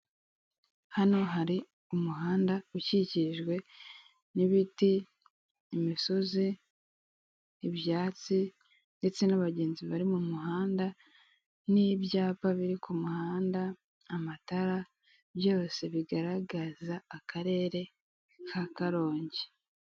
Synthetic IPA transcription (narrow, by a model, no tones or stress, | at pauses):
hano̞ɦaɾi | umuɦaːndauciciʒɡwe̞ | niβitiː | misozi | βjaːt͡si | nde̞t͡se̞naβaɟe̞ːnziβaɾimumuɦaːnda | nibjaːpaβiɾikumuhaːndaː | mataɾa | bjo̞ːse̞βiɡaɾaɡazaːkaɾe̞ːɾe̞ | kʰakaɾo̞ːɲɟe̥